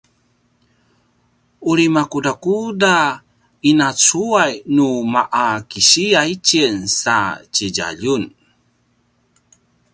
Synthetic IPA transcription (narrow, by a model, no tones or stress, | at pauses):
uɾimakudakuda | inat͡suajnumaʔakiɕiait͡ɕinsat͡ɕəɟa̰ʎun